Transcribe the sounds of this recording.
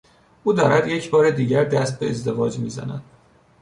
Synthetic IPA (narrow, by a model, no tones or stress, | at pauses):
ʔuːd̪ɒːɾæd̪je̞cʰbɒːɾed̪iːɟæɾd̪æst̪̚be̞ezd̪e̞vɒːd͡ʒmiːzæ̰næ̰d̪̥